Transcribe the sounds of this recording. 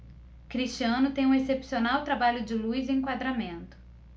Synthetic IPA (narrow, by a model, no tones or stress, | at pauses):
kɾist͡ʃiɐ̃nʊt̪ẽj̃ũesepsionawt̪ɾabaʎʊd͡ʒɪlujzɪẽŋkwad̪ɾamẽnt̪ʊ̥